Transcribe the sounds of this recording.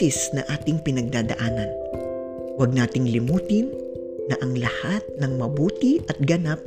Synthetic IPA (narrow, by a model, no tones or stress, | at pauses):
ɪsnɐŋʔaːt̪ɪŋpɪnɐɡ̚d̪aːd̪ɐ̰ʔaːnɐn | wɐɡ̚naːt̪ɪŋlɪmuːt̪ɪnː | ɐʔɐŋlɐhat̪̚nɐŋmɐbuːt̪ɪʔɐt̪̚ɡɐnap̚